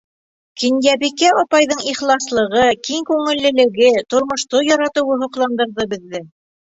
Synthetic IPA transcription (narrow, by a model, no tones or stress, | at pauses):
kĭnjæβikæɒpɑjðɤɴiχlˠɑslˠɤ̆ʁɤkiŋkʉŋɘ̆lːɘ̆lɘ̆ɡɘt̪ŏɾmŏʃt̪ojɑɾɑt̪ɤ̆wɤɦŏqlˠɑnd̪ɤ̆ɾðɤbɘ̆ðːɘ